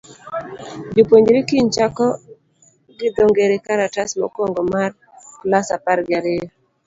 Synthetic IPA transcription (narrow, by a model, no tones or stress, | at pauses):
d͡ʒopwoɲd͡ʒɾikiɲt͡ʃakɔ | ɡɪd̪oŋɡeɾekaɾatasmɔ̰kɔŋɡɔmar | klasapaɾɡɪaɾeɔ